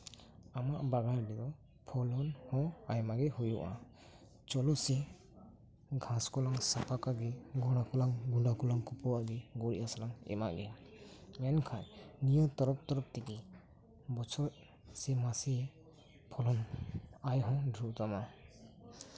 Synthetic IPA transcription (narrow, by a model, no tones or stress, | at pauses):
amaʔbaɡaɾdid̪ɔ | pʰɔlɔnhɔ̃ajmaɡɛhujuʔa̰ | t͡ʃɔlɔsi | ɡʱãskɔlaŋsapakaɡeɡɔnakulaŋɡundakulaŋkupɔwaɡeɡɔɾiʔasalaŋɛ̰maɡɛ | ɛnkʰajnijɔt̪ɔɾɔp̚t̪ɔɾɔp̚t̪iki | bɔt͡ʃʰɔ | simasi | pʰɔlɔnajɦɔ̃dʱɾut̪ama